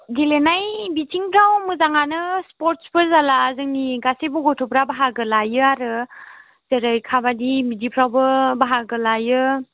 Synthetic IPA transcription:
ɡelenajbitʰiŋbɾawmɯzaŋanɯspɔɾtspɯɾzalaːzɯŋniɡasebɔɡɔtʰɔpɾabaɦaɡɯlajɯaɾɯ | z̥eɾɯjkʰabadimidipʰɾawbɯbaɦaɡɯlajɯ

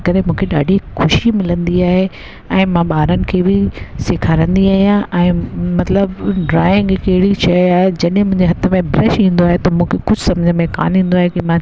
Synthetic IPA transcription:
kɐɾemũːkʰeɗaːɖʱixʊʃimɪlə̃nd̪iaːɦe | ɛ̃ːmãɓaːɾənɪ̆kʰeːbɪsɪkʰaːɾə̃nd̪iaːɦijãʔɛ̃ːmɐt̪ləbɖɾaːɪ̃ŋɡkɐɦɪɽiʃɐjaːɦed͡ʑɐɗɦɪ̃mʊ̃ɦɪ̃ɲd͡ʑeɦɐt̪ʰə̆mẽbɾɛʃĩːnd̪oaːɦet̪ɐmũːkʰekʊd͡ʑʱʊsɐmd͡ʑʱəmẽka̰ːnɦĩːn̆d̪oaːɦekimã

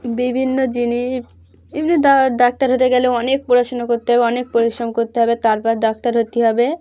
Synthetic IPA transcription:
bibʱinːod͡ʑiniʃ | emnid̪aɾd̪ak̚t̪aɾɦot̪eɡɛleɔnek̚poɾaʃonakoɾt̪eɦɔbeɔnek̚poɾisɾɔmkoɾt̪eɦɔbet̪aɾpɔɾd̪ɔk̚t̪aɾɦot̪eɦɔbe

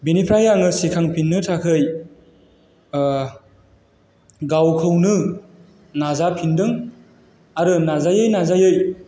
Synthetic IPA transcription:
benipʰɾajaŋɯsikʰaŋpʰinːɯtʰakʰɯj | ɡawkʰɯwnɯ | nazapʰindɯŋ | aɾɯnazajɯjnazajɯj

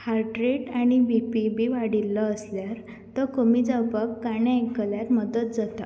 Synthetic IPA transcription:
haɾʈɾeʈaɽ̃iʋipibiʋaɽilːəːsljaɾ | t̪əkomid͡zapəkːaɽ̃jãekːəljaɾməd̪ət̪̚d͡zat̪a̰

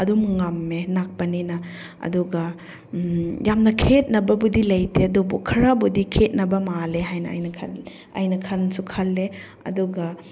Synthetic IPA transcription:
ɐdumŋamːenak̚pɐninɐ | ɐ̰duɡɐ | jamnɐkʰet̚nɐbɐbudilɐjteɐdubukʰɐɾɐbudikʰet̚nɐbɐmaleɦajnɐ̰ːjnɐkʰɐ̰l | ɐ̰jnɐkʰɐnsukʰɐlːe | ɐ̰duɡɐ

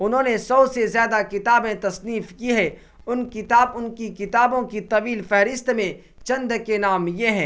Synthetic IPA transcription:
ʊnɦõːnesɔːsezjaːd̪akɪt̪aːbmẽt̪ɐsniːfkiɦɛː | ʊnkɪt̪aːbʊnkikɪt̪aːbõkit̪ɐʋiːlfɛɦɾɪst̪mẽ | t͡ʃɐ̃nd̪kenaːmjeɦɛ̃ː

